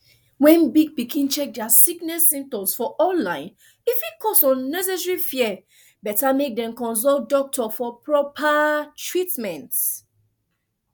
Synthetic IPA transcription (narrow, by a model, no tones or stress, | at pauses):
wɛ̃nbiɡ̚bikĩnt͡ʃɛk̚dɛasiknɛsːĩm̚tɔ̃msfɔʔɔ̃nlãɪ̃n | ifikʰɔsɔ̃nːɛs̬ɛs̬ɹifiɛ | bɛtamek̚dɛ̃mkɔ̃nsɔldɔk̚tʰɔfɔpɹɔpʰatɹitmɛ̃nt